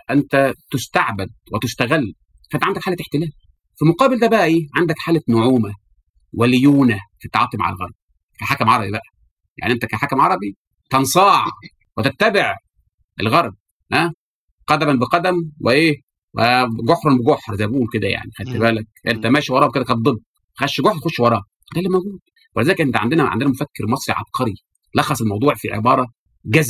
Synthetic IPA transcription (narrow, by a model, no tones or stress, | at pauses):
ʔent̪æt̪ʊst̪aʕbæd̪̚wet̪ʊst̪æɣælː | fæʔænt̪ʕand̪ækħalæeħt̪elæːl | filmoqɑːbeld̪æːbæʔæʔeːʕand̪ækħaːlænoʕuːmæ | weljuːnæfit̪ːɑʕɑ̰ːt̪ˤima̰ʕa̰lɣɑ̰ɾˤb̚ | kæħaːkæmʕɑɾˤɑbibæʔæ | ja̰ʕniʔent̪ækæːħaːkæmʕɑɾˤɑbi | t̪ɑnsˤɑːʕ | wet̪æt̪ːæbeʕ | ʔḛlɣɑɾˤb̚ | hæ | qɑd̪æmænbeqɑd̪æmweʔeː | weɡoħɾˤɑnbeɡoħɾzæjbʔuːlked̪æja̰ʕnixælt̪ebæːlæk̚ʔent̪æmæːʃiwɑɾˤɑːʔweked̪ækæt̪̚d̪ˤebː | xæʃɡoħɾt̪xoʃwɑɾˤɑː | d̪æːlːimæwɡuːd̪̥̚ | welezælekʔent̪æʕa̰nd̪enæʕa̰nd̪enæmofækːeɾmɑsˤɾiʕɑ̰b̚qʰɑɾi | lɑxːɑsˤelmɑwd̪ˤuːʕfiʕḛbɑːɾˤɑ | ɡæz